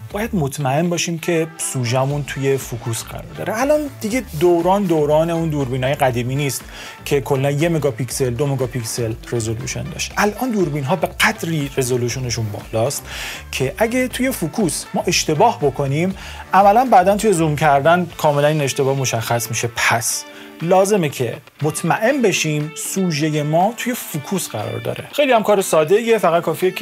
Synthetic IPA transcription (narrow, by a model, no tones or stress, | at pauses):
bɒːjæd̪mo̞t̪ʰmæe̞nbɒːʃiːmcʰe̞suːʒæmunt̪ʰuje̞fukʰuːsɢæ̰ɾɒ̰ɾd̪ɒ̰ːɾeælʔɒnd̪iɟe̞d̪owɾɒːnd̪owɾɒːne̞und̪uːɾbiːnhɒːjeɢæd̪iːmiːniːst̪ | cʰe̞kʰo̞lːænje̞meɡɒːpʰicse̞ld̪omeɡɒːpʰicse̞lre̞zolṵːʃo̰nd̪ɒ̰ʃʔælʔɒːnd̪uːɾbiːnɦɒːbe̞ɡæd̪ɾiːre̞zoluʃone̞ʃunbɒ̰ːlɒːst̪cʰe̞ʔæɟet̪ʰuje̞fukʰuːsmɒːʔe̞ʃt̪e̞bɒːhbo̞kʰo̞nimʔæmælænbæːd̪ænt̪ʰuje̞zumcʰæɾd̪ænkʰɒːme̞lænine̞ʃt̪e̞bɒːhmo̞ʃæxːæsmiʃe̞pʰæs | lɒːze̞mecʰe̞̰ | mot̪ʰmæʔe̞nbe̞ʃiːmsuːʒe̞je̞mɒːt̪ʰuje̞fukʰuːsɢæɾɒ̰ɾd̪ɒ̰ːɾe̞̰xe̞jlihæmkʰɒːɾesɒːd̪e̞iefæɣæt̪̚kʰɒːfijee